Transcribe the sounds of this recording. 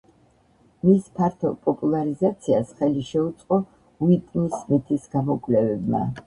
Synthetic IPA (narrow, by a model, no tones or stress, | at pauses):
mispʰaɾt̪ʰɔpʼɔpʼulˠaɾizat̪sʰiasχɛliʃɛut̪sʼqʼɔ | uit̪ʼnismit̪ʰisɡamɔkʼlɛvɛbma̰